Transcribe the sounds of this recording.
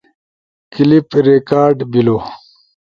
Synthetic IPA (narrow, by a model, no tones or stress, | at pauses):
kilipɾekaːɾɖbilo